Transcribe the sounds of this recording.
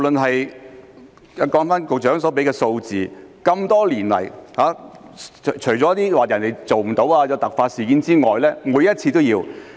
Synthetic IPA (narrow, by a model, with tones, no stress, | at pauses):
wlɵ˨nɦɐ˨j | ɐ˨˧kɔː˨˧˥ŋfaː˥nkʊ˨k̚t͡ʃœː˨˥ŋsɔː˨˥p̬e˨˥kɛː˧so˧wt͡siː˨kɐ˧mt̪ɔː˥liː˨˩nlɐ̰˨˩jhaː˨˥˨ | t͡ʃʰɵ˨˩t͡sɔː˨˦˥t̪iː˥waː˨˩jɐ˨˩nt̪e˨˩jt͡so˨wm̩˨˩t̪o˨˥waː˧jɐ˧t̪ɐ˨k̚faː˧t̚siː˨˩kiː˨˥nt͡siː˥ŋɔː˨jlɛː˥muː˨˥jɐ˥t̚t͡sʰiː˧t̪o˥wjiː˧w